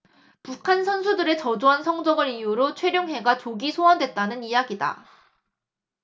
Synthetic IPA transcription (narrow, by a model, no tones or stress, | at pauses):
pukʰansʰʌnsʰudɯɾe̞t͡ɕʌd͡ʑoɦansʰʌŋd͡ʑʌɡɯɾijuɾot͡ɕʰwe̞ɾjoŋɦe̞ɡat͡ɕoɡisʰoʌndwe̞t̚t͈anɯnijaɡida̰